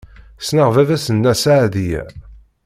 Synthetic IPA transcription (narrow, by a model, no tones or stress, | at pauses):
snəʁvævæsənːæsaʕðijæ̰